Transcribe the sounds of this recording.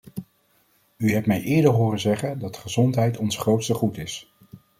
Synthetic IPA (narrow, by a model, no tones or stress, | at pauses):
yɦɛp̚mɛjʔɪːɹdəɹɦʊːrənzɛχəndɑtdə̥χəzɔntɦɛjtɔnsχrowtstəχutɪs